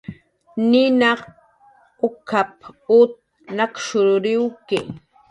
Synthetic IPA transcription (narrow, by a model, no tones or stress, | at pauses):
nɪnaq | ʊkʰap̚ʊt̪̚ | nakʃʊɾɾɪwkɪ